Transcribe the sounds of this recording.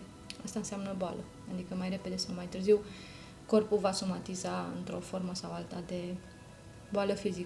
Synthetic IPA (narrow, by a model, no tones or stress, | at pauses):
a̰st̪aɨnseamnəboalə | ad̪ikəmajre̞pe̞d̪e̞sawmajt̪ɨrziw | ko̞rpulvasomat̪izaɨ̰nt̪ɾo̞fo̞rməsawalt̪ad̪e̞ | boaləfizi